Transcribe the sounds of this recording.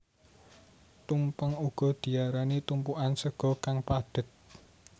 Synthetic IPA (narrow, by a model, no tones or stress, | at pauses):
t̪umpəŋuɡ̥ɔ̤d̪̥i̤aɾanit̪umpuʔansəɡ̥ɔ̤kaŋpaɖ̥ə̤t̪̚